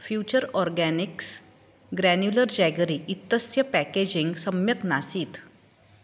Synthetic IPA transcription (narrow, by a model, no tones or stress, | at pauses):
fjut͡ɕəɾɔɾɡæniks | ɡɾænjuləɾd͡ʑɛɡɾiːʔit̪ːəsjəpæked͡ʑiŋɡsəmjət̪nasiːt̪